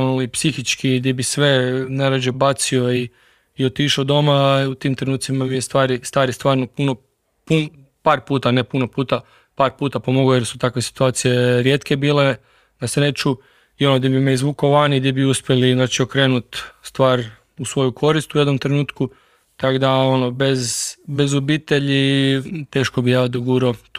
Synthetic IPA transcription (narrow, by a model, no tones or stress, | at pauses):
olipsixit͡ʃkid̪jebisʋe̞naɾad͡ʒebat̪sio̞iː | o̞t̪iʃod̪o̞maut̪iːmt̪ɾenuːt̪simabijest̪ʋaːɾist̪aːɾist̪ʋaːɾnopuno | pu | paːɾpuːt̪anepunopuːt̪a | paːɾpuːt̪apo̞moɡjeɾsu̥t̪akʋe̞si̥t̪uaːt̪sije̞ɾje̞t̪ke̞biːle̞ | d̪asɾet͡ʃu | io̞nod̪ibimeizʋuːkoʋanid̪ibiuspʲje̞liznaːt͡ʃiokɾe̞ːnut̪st̪ʋaːɾ | usʋo̞jukʰo̞ɾist̪ujed̪nomt̪ɾe̞nuːt̪ku | t̪akd̪ao̞nobe̞zbe̞zobiːt̪e̞ʎit̪e̞ːʃkobijaːd̪oɡuɾo